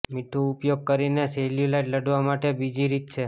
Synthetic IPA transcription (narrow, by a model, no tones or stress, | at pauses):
miʈʰuːpjoɡ̚kəɾineseljulajʈləɽʋamaʈebid͡ʒiɾit̪̚t͡ʃʰe